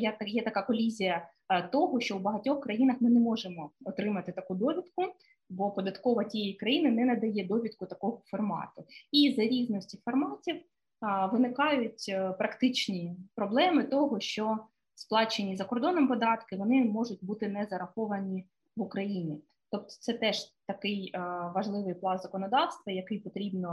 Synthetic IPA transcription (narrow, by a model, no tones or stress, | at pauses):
jɛt̪ɐjɛt̪ɐkɑkɔlʲizʲijɐ | t̪ɔɦɔʃt͡ʃɔwbɐɦɐtʲɔxkɾɐjinɐxmɪnɛmɔʒemɔɔt̪ɾɪmɐt̪ɪt̪ɐkud̪ɔʋʲid̪kʊ | bɔpɔd̪ɐt̪kɔʋɐtʲijejikɾɐjinɪnɛnɐd̪ɐjɛd̪ɔʋʲid̪kʊt̪ɐkɔɦɔfɔrmɑ̰t̪ʊizɐɾʲiznɔsʲtʲifɔrmɑtʲiw | ʋɪnɪkɑjʊtʲpɾɐkt̪ɪt͡ʃnʲipɾɔblˠɛmɪt̪ɔɦɔʃt͡ʃɔ | splˠɑt͡ʃenʲːizɐkɔrd̪ɔnɔmpɔd̪ɑt̪kɪʋɔnɪmɔʒʊtʲbut̪ɪnɛzɐɾɐxɔʋɐnʲi | ʋʊkɾɐjinʲi | t̪ɔp̚t̪ɔ̥t̪sɛt̪ɛʒ̥t̪ɐkɪjʋɐʒlˠɪʋɪjplˠɑnzɐkɔnɔd̪ɑwst̪ʋɐjɐkɪjpɔt̪ɾʲibnɔ